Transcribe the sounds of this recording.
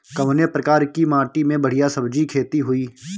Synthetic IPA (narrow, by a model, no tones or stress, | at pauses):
kɐʋnepɾəkaːɾkimaːʈimẽbəɽ̤ijasəbd͡ʒikʰeːt̪iɦʊiː